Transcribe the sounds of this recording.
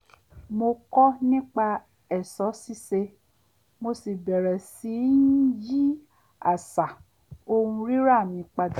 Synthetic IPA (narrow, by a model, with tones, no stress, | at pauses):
mo˧kɔ˦nĩ˦k͡pa˧ | ɛ˨sɔ˨˦si˦se˧ | mo˧si˨bɛ˨ɾɛ˨si˨˦n̩˦d͡ʒi˦ | a˦˨sa˨ | o˧hũ˧ɾi˦ɾa˦˨mĩ˨˧k͡pa˧d